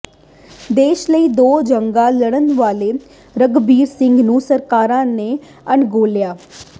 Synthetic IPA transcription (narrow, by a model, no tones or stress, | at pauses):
d̪eːʃləiːd̪oːd͡ʒəŋɡãːləɽ̃ənʋaːleː | ɾəɡbiːɾsɪŋɡnũːsəɾkaːɾãːneː | əɳɡoːljaː